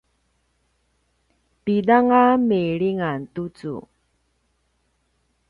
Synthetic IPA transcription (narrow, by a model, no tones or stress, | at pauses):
pidaŋameɭiŋantut͡sṵ